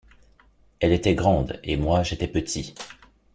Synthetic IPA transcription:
ɛlet̪ɛɡʁɑ̃d̪emwaʒet̪ɛpət̪ʰi

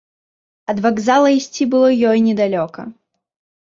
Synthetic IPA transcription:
ɐd̪vaɡzalˠɐisʲt͡sʲibɨlˠɔjɔjnʲɛd̪alʲɔkɐ̰

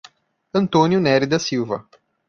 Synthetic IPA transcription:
ɐ̃nt̪õnjunɛɾid̪ɐsiwvɐ̰

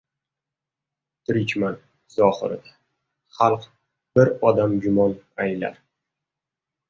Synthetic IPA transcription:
t̪ɾit͡ʃmant̪ | z̥ɒhɨ̰ɾɪ̰d̪a | χɑlˠq | b̥ɪɾɒd̪amɡʲʊmɒnajla̰ɾ

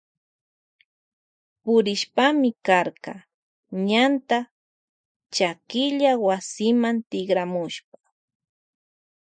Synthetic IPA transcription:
pʊɾɪʃpamɪkaɾka | ɲant̪a | t͡ʃakɪʎawasɪmant̪ɪɡɾamʊʃp̚ḁ

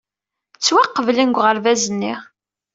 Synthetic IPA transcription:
t͡sːwæqːəvlinɡʷʁəɾvæzənːiʁ

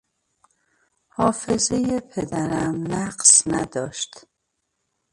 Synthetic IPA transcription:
hɒːfezejepʰed̪æɾæmnæɢsnæd̪ɒːʃt̪

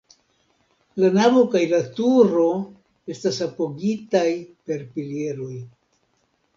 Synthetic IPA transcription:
lanavo̞kajlatuɾo̞ | e̞stasapo̞ɡitajpe̞ɾpilie̞ɾo̞j

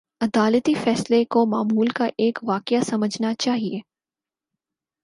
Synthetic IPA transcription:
ɐd̪aːlət̪ifɛːslekomaːmuːlkaʔeːkʋaːqjasɐməd͡ʒʱnat͡ʃaːɦieː

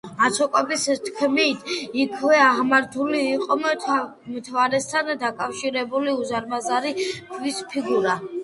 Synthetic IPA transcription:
at̪sʰɔkʼɔbist̪ʰkʰmit̪ʰikʰvɛaʁmaɾt̪ʰuliːqʼɔ | mt̪ʰvaɾɛst̪ʰand̪akʼafʃiɾɛbuliuzaɾmazaɾik̪ʰvispʰiɡuɾa

